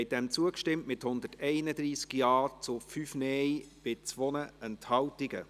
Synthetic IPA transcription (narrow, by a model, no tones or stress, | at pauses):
hɛɪt̚d̥ɛmt͡suəkʃtɪmtmɪthʊnd̪ətɛɪnəd̪ɾiːskjɑːt͡sʊfyfnɛjb̥ɪt͡sʋonəɛnthɑltɪɡə̰